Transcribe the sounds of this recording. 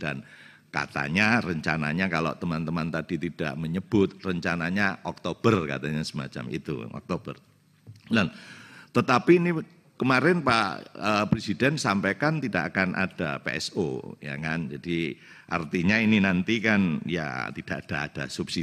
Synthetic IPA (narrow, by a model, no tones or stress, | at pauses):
d̥an | ka̰t̪a̰ɲarəɲt͡ʃana̰ɲakalo̰ʔt̪əmant̪əmant̪ad̥it̪id̥a̰ʔməɲəb̥ʊt̪̚rəɲt͡ʃanaɲaʔɔk̚t̪ob̥ərka̰t̪aɲasəma̰t͡ʃa̰mḭt̪ṵɔ̰k̚t̪ob̥ə̰r | dant̪ət̪apiːni | kəmaɾɪnpa̰ʔəpɾesidɛnsampekant̪idaʔakanʔa̰d̥a̰pḛɛ̰so̰ja̰ŋand͡ʒad̥iʔa̰rt̪iɲaininant̪ikanja̰t̪id̥aʔad̥aːd̥asupsi